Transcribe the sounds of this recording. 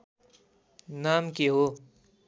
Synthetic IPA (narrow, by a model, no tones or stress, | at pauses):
naːmkeɦo